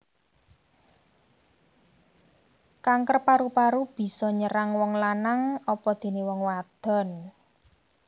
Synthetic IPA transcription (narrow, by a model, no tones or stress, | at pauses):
kaŋkərpaɾupaɾub̥i̤sɔɲəɾaŋwɔŋlanaŋɔpɔd̪̥e̤newɔŋwad̪̥ɔ̤n